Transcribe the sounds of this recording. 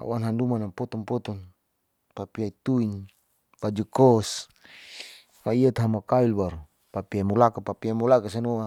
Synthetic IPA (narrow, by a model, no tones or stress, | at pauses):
a̰wanɦandumanapɔt̪ɔnpɔt̪ɔn | papiait̪uin | pad͡ʒukɔs | maiat̪aɦamakailbaɾu | papiamulakapapiamulakas̬anɔa